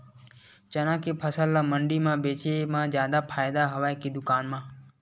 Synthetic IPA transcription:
t͡ʃənãːkipʰəsəlːaməɳɖimãbeːt͡ʃemãzjaːd̪apʰaːjd̪aɦɐʋaːekid̪ʊkaːnmãː

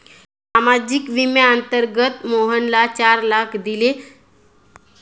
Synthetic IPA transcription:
samad͡ʑikʋimjaənt̪əɾɡət̪moɦənlat͡ɕaɾlakʰd̪ile

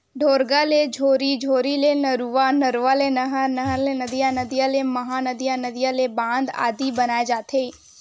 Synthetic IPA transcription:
ɖʱoːɾɡaled͡ʒʱoːɾid͡ʒʱoːɾilenəɾuʋanɐɾuʋalenɐɦanɐɦlenɐd̪ijãnɐd̪ijãlemɐɦaːnəd̪ijãnɐd̪ijãlebãːnd̪a̰ːd̪ibɐnaːed͡ʒaːt̪ʰeː

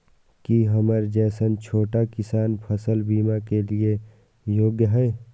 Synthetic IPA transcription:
kiɦəməɾd͡ʒɛːsənt͡ʃʰoːʈakɪsaːnpʰəsəlbiːmakelie | joːɡjəɦɛː

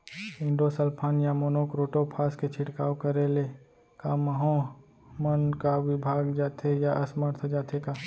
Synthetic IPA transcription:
ɪ̃ɳɖosəlpʰaːnjamoːnoːkɾoːʈopʰaːsket͡ʃʰɪʈkaːwkəɾele | kaːməɦõ | mənkaʋɪbʱaːɡd͡ʒaːt̪ʰejaʔɐsməɾt̪ʰd͡ʒaːt̪ʰekaː

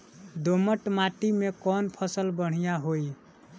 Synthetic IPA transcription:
d̪oməʈmaʈimekɔnpʰəsəlbəɽ̤ijaɦoj

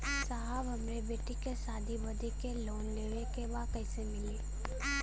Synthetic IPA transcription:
saɦabɦɐmɾebeːʈikesaːd̪ʱibɐd̪ʱekeloːnleːʋekeʋaːqəisemɪleː

